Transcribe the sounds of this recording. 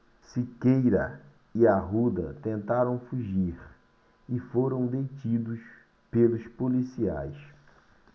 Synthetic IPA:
sikejɾɐ | iaɦud̪ɐt̪ẽnt̪aɾɐ̃w̃fuʒiɾ | ɪfoɾɐ̃w̃d̪ejt͡ʃid̪ʊs | pelʊspolisia̰js

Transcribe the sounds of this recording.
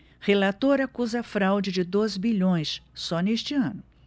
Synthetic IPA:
helat̪oɾakuzɐfɾawd͡ʒɪd͡ʒɪd̪ozbiʎõj̃ssɔneʃt͡ʃɪɐ̃nʊ

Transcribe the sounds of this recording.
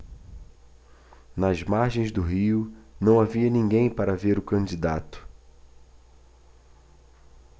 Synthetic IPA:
nɐzmaɾʒẽj̃zd̪ʊɦiʊnɐ̃w̃aviɐnĩɡẽj̃paɾɐveɾʊkɐ̃d͡ʒid̪at̪ʊ̥

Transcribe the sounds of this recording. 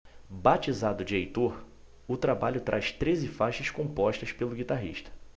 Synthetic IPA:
bat͡ʃizad̪ʊd͡ʒɪejt̪oɾ | ʊt̪ɾabaʎʊt̪ɾʔaʃt̪ɾezɪfajʃɐskõmpɔʃt̪ɐspelʊɡit̪aɦḭʃt̪ɐ̥

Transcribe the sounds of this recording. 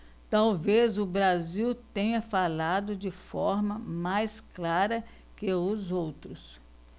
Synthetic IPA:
t̪awvezʊbɾaziwt̪ẽɲɐfalad̪ʊd͡ʒɪfɔɾmɐmajsklaɾɐ | kɪʊzowt̪ɾʊs

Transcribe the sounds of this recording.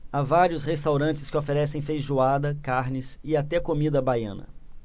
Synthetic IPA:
avaɾiʊshest̪awɾɐ̃nt͡ʃɪ̥skɪofeɾɛsẽj̃fejʒuad̪ɐkaɾnɪsɪat̪ɛkomid̪ɐbajɐ̰̃nɐ̰

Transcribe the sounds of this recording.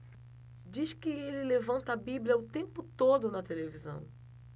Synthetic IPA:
d͡ʒiʃkɪelɪlevɐ̃nt̪ɐbibljɐʊt̪ẽmpʊt̪od̪ʊnɐt̪elevizɐ̰̃w̃

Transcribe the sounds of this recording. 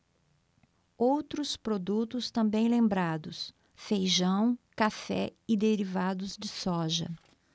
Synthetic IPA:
owt̪ɾʊspɾod̪ut̪ʊst̪ɐ̃mbẽj̃lẽmbɾad̪ʊs | fejʒɐ̃w̃kafɛ̰ɪd̪eɾivad̪ʊzd͡ʒɪsɔʒɐ̰

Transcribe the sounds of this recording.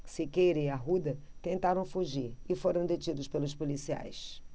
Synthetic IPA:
sɪkeɾẽjɐɦud̪ɐt̪ẽnt̪aɾɐ̃w̃fuʒiɾɪfoɾɐ̃w̃d̪et͡ʃid̪ʊspelʊspolisia̰js

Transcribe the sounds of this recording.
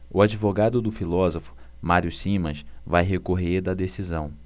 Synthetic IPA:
ʊad͡ʒivoɡad̪ʊd̪ʊfilɔzofʊ̥ | maɾiʊsĩmɐ̃svajɦekoɦeɾd̪ɐd̪esizɐ̃w̃

